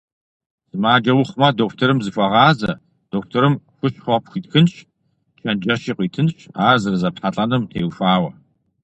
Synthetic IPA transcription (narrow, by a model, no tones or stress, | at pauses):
z̥ɨmaːd͡ʒɐwʊχʷmɐdoːftʰɨɾɨmzɨfʷʼɐʁɑːzɐ | d̥oːktʰɔɾɨmxʷʊʃχʷɔpxʷiːtxɨnɕ | t͡ʃʰɐnd͡ʒɐʃiqʷiːtʰɨnʃaːrzɨrzɐpħaɬʼɐnɨmtʰeːwfaːwɐ